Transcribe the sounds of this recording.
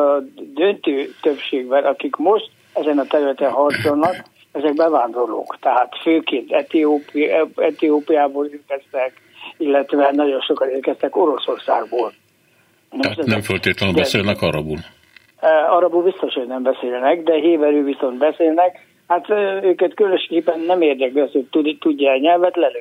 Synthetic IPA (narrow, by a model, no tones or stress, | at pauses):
d̪ønt̪øːt̪øpʃeːɡbɛnʔɒkikmo̞ʃt̪ | ɛzɛnɒt̪ɛɾylɛt̪ɛnɦɒrt̪solnɒk | ɛzɛk̚bɛvaːnd̪o̞rlo̰ːkt̪ɛɦaːt̪føːkeːnt̪ɛt̪ioːpɛt̪ijoːpijaːboːleːrkɛst̪ɛk | ilːɛt̪ʋɛnɒɟo̞nʃo̞kɒneːrkɛst̪ɛko̞ɾo̞so̞rsaːɡboːl | nɛnɛmfølt̪eːt̪lɛnybɛseːlnɛkɒɾɒ̰bul | ɒɾɒbubist̪o̞ʃhoɟnɛmbɛseːlnɛɡd̪ɛɦeːbɛɾøːviso̞nbɛseːlnɛk | hat̪øːkɛt̪kylønoʃkeːpːɛnːɛmeːrd̪ɛklishoc̚t̪ut̪uɟːɛɛɲɛlvɛt̪lɛlø